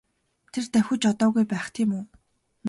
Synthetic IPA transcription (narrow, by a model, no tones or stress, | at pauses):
t̪ʰert̪æwʲɵ̆t͡ɕɔt̪ɔːɣujpæːχt̪ʰiːmuː | n